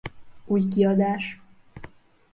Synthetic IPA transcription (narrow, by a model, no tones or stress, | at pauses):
uːjɡiɒd̪æʃ